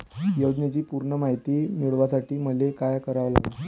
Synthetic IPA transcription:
jəwd͡ʑnat͡ɕiːpuɾɳəmaɦit̪iːmiɭʋasaʈʰiːməlekajkəɾaʋla̰ɡa

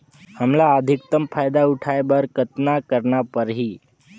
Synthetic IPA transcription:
həmlaəd̪ʱik̚t̪əmfʰajd̪auʈʰajebəɾkət̪nakəɾɳapəɾɦiː

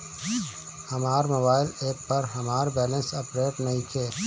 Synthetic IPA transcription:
hɐmaːɾmoːbaːɪleːpːɐɾɦɐmaːɾbɛːlə̃nsɐpɾeːʈnəɦĩkʰeː

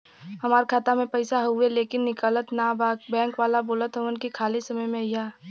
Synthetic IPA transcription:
hɐmaːɾkʰaːt̪amẽpɐɪsaɦueleːkɪnːɪkələt̪nabaːkbɛ̃ːŋkʋaːlaboːlət̪ɦɐʋənkikʰaːlisɐməjmẽjaː

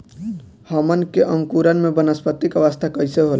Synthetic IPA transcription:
həmənkeʔəŋkuɾənmebənəspət̪ikəʋəst̪ʰakəjseɦol

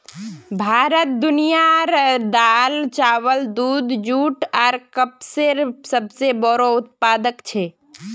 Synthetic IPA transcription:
bʱaːɾət̪̚d̪unijaɾd̪alt͡ʃaːwəld̪uːd̪d͡ʒuːʈɔːɾkəpseɾsəbsebɔɾoʊt̪̚paːd̪əkt͡ʃʰɛ

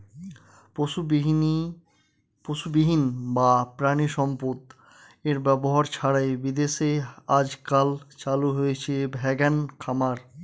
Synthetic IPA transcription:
po | poʃubiɦinbapɾaniʃɔmpot̪ | eɾbɛboɦaɾt͡ɕʰaɽaebid̪eʃead͡ʑkalt͡ɕaluɦojet͡ɕʰebʱɛɡankʰamaɾ

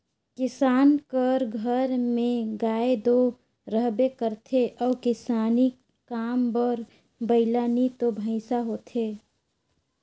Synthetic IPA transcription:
kɪsaːnkəɾɡʱəɾmẽɡaːed̪o | ɾəɦbekəɾt̪ʰeʔɔːkɪsaːnikː | aːmbəɾ | bəɪlanit̪obʱə̃ɪsaɦoːt̪ʰe

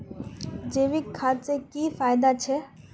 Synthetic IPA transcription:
d͡ʑeːʋɪkʰːaːsekiːfaːɪd̪at͡ʃʰɛː

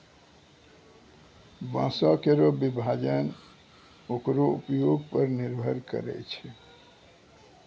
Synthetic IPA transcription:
bãːsakeɾobibʱaːd͡ʒən | ukɾoupjoɡ̚pəɾnɪɾbʱəɾkə̰ɾɛ̰t͡ʃʰe

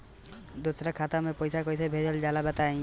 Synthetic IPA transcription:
d̪ʊsɾakʰaːt̪amẽpɔjsakoɪsebʱed͡ʒəld͡ʒaːlabət̪aẽ

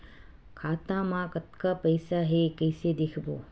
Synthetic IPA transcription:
kʰaːt̪ãːmãkɐt̪kaːpɐjsaɦekɐjsed̪ekʰbo̰ː

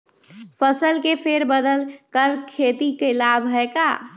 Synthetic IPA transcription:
pʰəsəlkepʰeɾbəd̪əlkəɾkʰet̪ikelabʱɦəeka̰

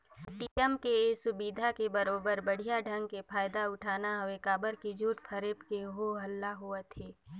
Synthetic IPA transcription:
ʈiəmkeːsʊbiːd̪ʱakebɐɾoːbəɾbɐɽ̤ijaɖʱɐ̃ŋɡ̚kepʰaːjd̪aʊʈʰaːnaɦʊekaːbəɾkid͡ʒʱuːʈkʰəɾeːpkeɦoɦɐlːaɦuet̪ʰeː

